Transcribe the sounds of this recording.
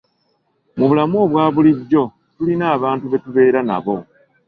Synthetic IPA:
muβulamo̞ːβwaːβuliɟːo̞ | tulinaːβaːntuβe̞tuβe̞ːɾana̰βo̞

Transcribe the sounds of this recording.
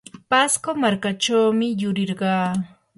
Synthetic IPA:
paskomaɾkaʈ͡ʂawmɪjʊɾɪɾɢɑː

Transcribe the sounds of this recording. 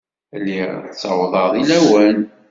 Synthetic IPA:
lːit͡sːɑwðˤɑðˤilæwən

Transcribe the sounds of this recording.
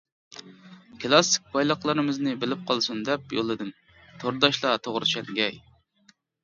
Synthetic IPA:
kɨlˠɑsːi̥k̚ʲpʰɑjlˠɑχlˠɨɾɨmɨznɨbɪlɪp̚qʰɑlˠsund̪ɛp̚jo̰lˠɨd̪ɨm | t̪ʰoɾd̪ɑʃlˠɑt̪ʰoʁɾɨt͡ʃʰɛnɡʲɛj

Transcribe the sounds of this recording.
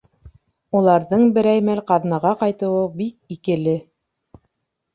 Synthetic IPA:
ulˠɑɾðɤɴbɘ̆ɾæjmælqɑðnɑʁɑqɑjt̪ɤ̆wɤbik̚ikɘ̆lɘ

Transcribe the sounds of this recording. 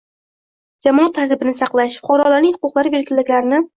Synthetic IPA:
d͡ʒamɒat̪ʰːaɾt̪ʰɪbɪnɪsɑqlˠaʃfʊqʰɒɾɒlaɾnɪŋhʊ̥qʊqlˠaɾɪbeɾkʲɪlːɪkʲlaɾɪnɪ

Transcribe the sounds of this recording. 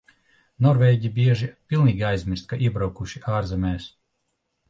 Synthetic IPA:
nɔɾvɛːɟibiɛʒipʲilˠniːɡʲiajzʲmʲiɾst̪̚kaʔiɛbɾawkuʃiʔaːɾzɛmʲɛːs

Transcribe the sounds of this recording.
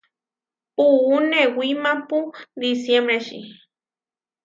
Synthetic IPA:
uːnewimapud̪isjembɾeʃḭ

